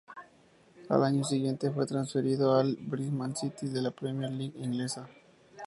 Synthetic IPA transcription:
a̰laɲos̬iɣje̞nt̪efwet̪ɾansfeɾiðoalbɾismansit̪iðelapɾemjeɾliɣiŋɡlesa

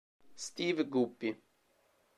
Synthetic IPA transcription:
st̪iːvɡupːi

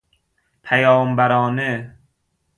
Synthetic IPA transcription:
pʰæjɒːmbæɾɒːne

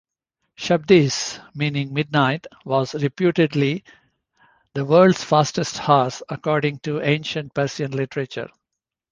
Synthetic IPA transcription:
ʃʌb̚d̪ismĩːnɪ̃ŋmɪɖ̚naɪʈʋɔːzɾɪpjuːʈeɖli | d̪əʋəːɾlɖsfaːsʈesʈhaːsɐkɔːɾɖɪ̃ŋʈuẽːnʃə̃nɳʈ̚pæɾsiə̃nlɪʈəɾet͡ʃə̰ɾ

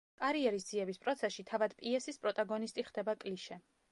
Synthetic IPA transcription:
kʼaɾiɛɾis̬d̪z̥iɛbispʼɾɔt̪sʰɛsʃit̪ʰavad̪pʼiɛsispʼɾɔt̪ʼaɡɔnist̪ʼiχd̪ɛbakʼliʃɛ

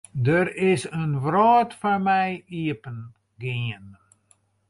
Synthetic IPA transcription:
dəɾɪsənʋraːtfɔmɛjiəpən | ɡɪən

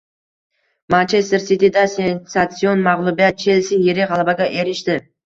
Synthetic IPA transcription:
mant͡ʃʰest̪eɾsɪt̪id̪asensat̪sionmaʁlˠʊbijat̪̚t͡ʃʰelsɪjeɾɪʁɑlˠɑbɑɡʲɑʔeɾɪʃt̪ɪ

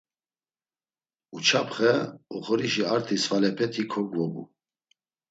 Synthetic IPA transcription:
ut͡ʃʰapʰχɛɔχɔɾiʃiaɾt̪ʰisvalɛpʰɛt̪ʰikʰɔɡvɔbṵ

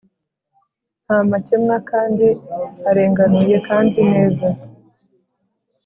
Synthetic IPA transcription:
n̥haːmacemŋakaːndiaɾe̞ːŋɡanuje̞kaːndine̞ːza

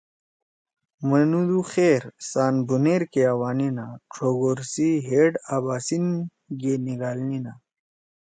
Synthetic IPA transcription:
mənud̪uxeɾsaːnbuneɾkeawaːninaʈ͡ʂʰoːɡoɾsiɦeːɖabaːsin | ɡeniɡaːlnina

